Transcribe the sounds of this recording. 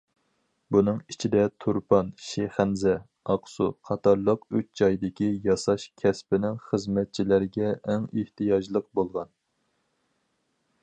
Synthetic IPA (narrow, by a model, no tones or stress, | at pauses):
bunɨŋit͡ʃʰid̪ɛt̪ʰuɾpʰɑnʃeχænzɛ | ɑqsuqʰɑt̪ʰɑɾlˠəqøt͡ʃd͡ʒɑjd̪ɪkʲijɑsɑʃkʲʰɛspɪnɪŋχəzmɛt̪̚t͡ʃʰilæɾɡʲɛːŋeht̪ɨjɑʒlˠəq̚bolˠʁɑn